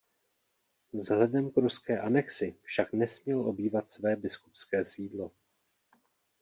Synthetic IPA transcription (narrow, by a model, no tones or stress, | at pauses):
zɦlɛdɛmkɾuskɛːʔanɛksɪfʃaknɛsmɲɛlʔo̞biːvat̪svɛːbɪskupskɛːsiːdlo̞